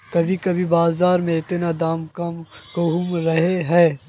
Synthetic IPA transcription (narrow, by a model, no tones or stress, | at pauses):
kɐbʱikɐbʱibaːzaːɾmẽɪt̪nad̪aːmkɐmkoɦumɾɐɦeɦɛː